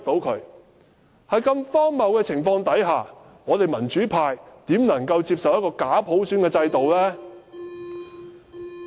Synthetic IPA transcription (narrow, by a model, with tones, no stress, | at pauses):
t̪o˨˥wkʰɵ˨˧˥ɥ | hɐ˨jkɐ˧mfɔː˥ŋmɐ˨˩wkɛː˧t͡sʰɪ˨˩ŋfɔː˧ŋt̪ɐ˨˥jɦaː˨ | ŋɔː˨˧t̪e˨˩jmɐ˨˩nt͡ʃyː˨˥pʰaː˧jt̪iː˨˥mnɐ˨˩ŋkɐ˧wt͡siː˧p̚sɐ˨wjɐ˥t̚kɔː˧kaː˨˥pʰo˨˥wsyː˨˥nkɛː˧t͡sɐ˧jt̪o˨wlɛː˥